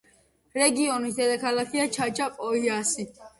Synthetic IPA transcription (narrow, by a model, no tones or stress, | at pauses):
ɾɛɡiɔnid̪ɛd̪akʰalakʰiat͡ʃʰat͡ʃʼapʼɔhiasi